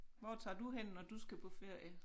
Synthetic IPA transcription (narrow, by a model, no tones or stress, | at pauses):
ʋɒ̰ːt͡sʰɑ̰̈ːd̥uɦen̰nɒd̥usɡ̥æpʰɒ̽fe̝ɐ̰jə